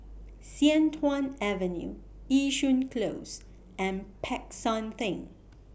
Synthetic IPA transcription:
sɛ̃ntʰwãnɛvɛ̃njṵ | iʃũnkʰlos | ɛ̃npʰɛksɔ̃nθɪ̃ŋ

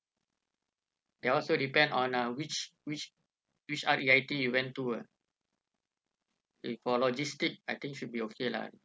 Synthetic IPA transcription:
deɔlsodipɛ̃ndɔ̃nawit͡ʃwit͡ʃ | wit͡ʃatiajtijuwɛ̃ntua | fɔlɔd͡ʒistik̚ajt̪ĩŋʃud̚biokʰela̰

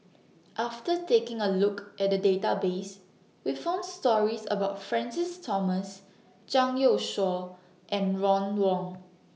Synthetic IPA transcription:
ʔaftətekɪ̃ŋəlukʔɛt̚dədetabes | wifãʊ̃ndstɔɹisə̰baʊtfɹɛ̃nsɪstʰɔməs | d͡ʒãŋoʃɔ | ʔɛ̃nɹɔ̃nwɔ̃ŋ

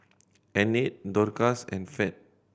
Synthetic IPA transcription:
ɛ̃nit̚dɔɾkasɛ̰̃nfɛt̚

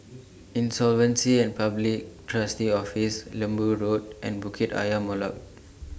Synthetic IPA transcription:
ĩnsɔlvə̃nsiɛ̃npablik̚tʰɹastiɔfislə̃mbuɹot̚ʔɛ̰̃nbukʰeta̰jəmɔla̰t̚

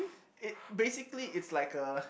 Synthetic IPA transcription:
ɪbesɪkliʔɪtslaɪkə

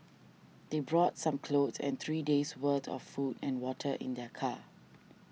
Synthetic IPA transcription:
d̥ebɹɔtsãmkʰlotsɛ̰̃nt̪ʰɹiːdeswətʰɔ̰fːudɛ̃nwɔtʰəʔɪ̰̃ndɛkʰa

